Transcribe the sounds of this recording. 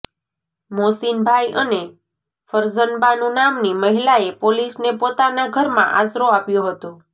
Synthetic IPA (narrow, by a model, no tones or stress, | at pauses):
mosinbʱajʔəne | fəɾzənbanũnamniməɦilaepolisnepot̪anaɡʱəɾmã̰ʔa̰sɾoapjõɦət̪õ